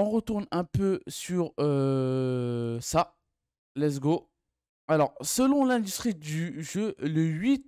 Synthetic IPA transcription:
ɔ̃ʁət̪uʁnɛ̃pøsyʁø | sa | lɛzɡo | alɔʁsəlɔ̃lɛ̃d̪yst̪χid̪yʒøləɥit̪

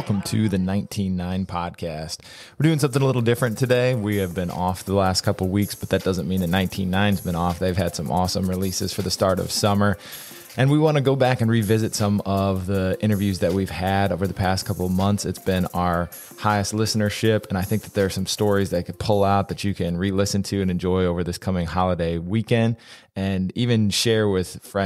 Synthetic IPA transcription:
wɛlˠkə̃m̩tʰɨðɨnãɪ̃ntʰĩnːãɪ̃npʰɑd̚kʰæst̚ | wɨɹdʉɪ̃ŋsʌ̃mθɪ̃ŋəlɪɾl̩ˠdɪfɹɨ̃ntʰɨdeɪwiɨvbɨ̃nʔɔfəlæstkʰʌpl̩ˠwiksb̥ʌt̪̚ðɨt̚d̥ʌzə̃nmĩnðɨnãɪ̃ntʰĩnːãɪ̃nzbɨ̃nɔfðeɪv̥ɨd̥sʌ̃mʔɔ̰sə̃mɹilisɨ̰z̥fə˞ðɨstɑɹɾʌ̰v̥sʌmə˞ | ʔɨ̃nwiwɑ̃ñɨɡoʊbækɨ̃nɹivɪzɨtsʌ̃mʌvðiɪ̃ɾ̃ə˞vjʉzðɨt̚wiv̥ɨɾoʊvə˞ðəpʰæskʰʌpl̩ˠmʌ̃nθsɨtsb̥ɪ̃naə˞ | haɪɨstˡlɪsnə˞ʃɪpɨ̃ñaɪθɪ̃ŋk̚ðɨt̪̚ðə˞ːsʌ̃mstɔɹizðɨt̚kʰɨd̚pʰʊlˠaʊt̪̚ðɨt͡ʃɨkʰɨ̃nɹilɪsɨ̃ntʰʉɨ̃nɨ̃nd͡ʒɔɪoʊvə˞ðɪskʰʌmɪ̃ŋhɑlˠədeɪwikɛ̃nd | ɨ̃nivɨ̃nʃɛɹwɪð̥fɹɛ̃

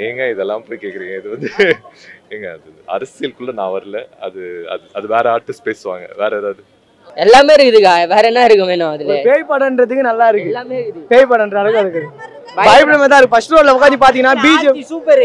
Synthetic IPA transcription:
eːŋɡɐɪðɛlːãːpoːjkeːkːɪɾiːŋɡɐɪðɯʋɐnd̪ɯ | eːŋɡɐɐðɯɐ̰ɾɐsɪjɪlkʊɭːɐnã̰ːʋɐɾɯlɐɐ̰ðɯɐ̰ðɐðɯʋeːɾɛaːʈːɪsʈpeːsɯʋa̰ːŋɡɐ̰ʋeːɾɐðaːðɯ | ɛlːaːmeːɪɾɯkːɯðɯkːaʋeːɾɐnːãːɪɾɯkːɐmeːnʊ̃ɐðɪloɾpeːɻpɐɽɐnɖɾɐt̪ɯkːɯnɐlːaːɪɾɯkːɯpeːjpɐːɽɐnɳɖrɐɐɽɐkːɐɪɾɯkːɐðɯ | baːjɪpɪɽɐmeːt̪̬ãːɪɾkːɯpɐsʂʈɾoːlːɐʋɐkaːt͡ʃipaːɾt̪̬iŋɐnːaːbiːd͡ʒsuːpɐɾ

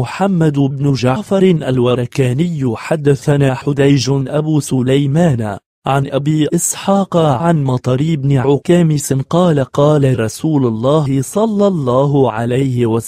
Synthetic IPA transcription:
ʊħamːad̪bnʊd͡ʒafɑɾˤʔa̰lwaɾˤɑkaːnɪjːħad̪ːaθanaːħʊd̪ajʒʔabuːsʊlajmaːn | ʕanʔabiːʔɪsħɑːqʕanmɑt̪ˤɑɾiʔɪbnɪʕʊkaːmɪsɪnqɑːlaqɑːlaɾˤɑsuːlʊlˤːɑːɪsˤɑlːɑlˤːɑːɦʕalajhɪwa

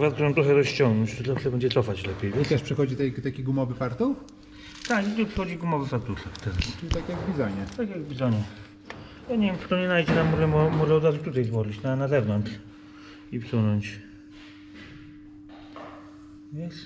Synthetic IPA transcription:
vat̪t̪ɔjɛmt̪ɾɔxɛɾɔɕt͡ɕɔŋɡnɔɲt͡ɕt̪ɔzafʂɛbɛɲd͡ʑɛt̪sɔfat͡ɕlɛpʲjejvt͡ɕaʂpʂɨxɔd͡ʑit̪ɛt̪akʲiɡumɔvɘpaɾt̪ɔw | t̪akjiipʂɛxɔd͡ʑiɡumɔvɨsat̪uʂɛkt̪ɛɾast͡ʃɨit̪akʲjaɡvbʲizaɲɛt̪akjaɡvbʲizaɲɛ | jaɲevʲjɛmʂɛ̥t̪ɔɲɛnajd͡ʑɛnamɔʐɛmɔmɔʐɛɔd̪ɾazut̪ut̪ajzbɔʐit͡ɕnanazɛvnɔnʂ | ipsunɔɲt͡ɕ | vʲɛs

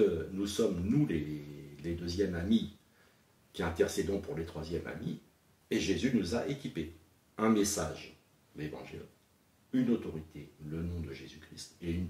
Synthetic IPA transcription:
ənusɔmnuleled̪øzjɛmami | kʲiɛ̃t̪ɛʁsed̪ɔ̃puʁlet̪χwazjɛma̰mi | eʒezynuzaʔekʲipe | ɛ̃mesaʒ | levɑ̰̃ʒḭl | ynot̪ɔʁit̪ʰelənɔ̃d̪əʒezykχist̪eyn

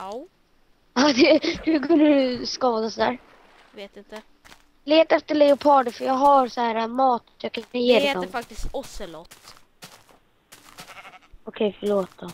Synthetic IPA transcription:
ɑd̪ɛd̪ɵkʰɵnd̪əɾɵskɑːd̪asɔd̪æ̰ːɾ | veːt̪ɪnt̪ | leːt̪ɛft̪əɭɛʊpʰɑːɖəfœɾjɑːɡɦaɾsɔhæːɾamɑːt̪jɑːkʰajeːɾad̪ɔmfak̚t̪ɪst̪ɔsɛlɔt̪ | ɔkʰɛjfəɭoːt̪̚d̪ɔ

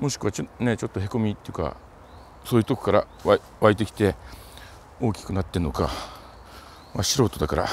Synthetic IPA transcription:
mo̞ɕi̥kɯ̟βane̞t͡ɕo̞t̪ːoɦe̞ko̞mʲit̪ːe̞jɯ̟ka̰ | soːjiɯ̟t̪o̞ko̥kaɾa̰ | βa | βait̪̬e̞kʲi̥t̪e̞ | o̞ːkʲi̥kɯ̟nat̪ːeno̞ka̰ | maɕiɾo̞ːt̪o̞d̪akaɾa̰

